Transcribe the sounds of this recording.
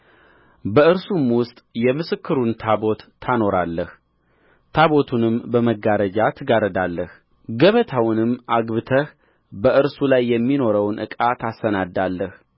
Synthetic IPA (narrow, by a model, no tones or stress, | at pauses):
bəɨɾsumwʊst̪ʼjɛmɨsɨkʰːɨɾunt̪ʰabo̞t̪ʰːano̞ɾalːəh | t̪ʰaβo̞t̪ʰunɨmbəməɡaɾəd͡ʒat̪ʰɨɡaɾəd̪alːəh | ɡəβət̪ʰawnɨmːʔaɡβɨt̪ʰəh | bəʔɨɾsulajːɛmːino̞ɾəwnʔɨ̰kʼat̪ʰasənad̪alːəh